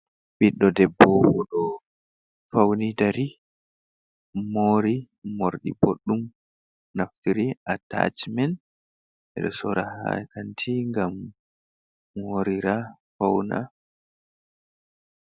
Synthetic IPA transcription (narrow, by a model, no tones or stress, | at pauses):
ɓiɗːɔdɛbːɔwuɗɔ | fawnidaɾi | moɾi | mːoɾɗḭboɗːum | naftiɾiʔata̰t͡ʃmɛn | ʔɛ̰ɗɔsɔɾaha̰kantʰiŋɡam | hoɾiɾa | fawna̰